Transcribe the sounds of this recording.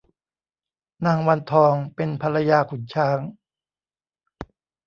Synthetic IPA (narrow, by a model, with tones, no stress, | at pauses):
naː˧˩ŋwa˧nt̪ʰɔː˧ŋpe˧npʰa˧la˧jaː˧kʰu˨˩˦nt͡ɕʰaː˦˥ŋ